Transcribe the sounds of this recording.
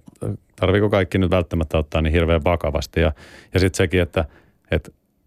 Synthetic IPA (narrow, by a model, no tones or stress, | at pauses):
t̪ɑrʋikokɑikːinyt̪ʋælt̪ːæmæt̪ːæot̪ːɑːnihirʋeːʋʋɑkɑʋɑ̰st̪ijɑjɑsit̪sekiet̪ːæ | et̪